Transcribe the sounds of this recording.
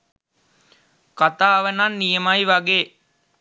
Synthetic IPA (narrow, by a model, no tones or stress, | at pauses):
kat̪aːʋənanːijəmajʋaɡeː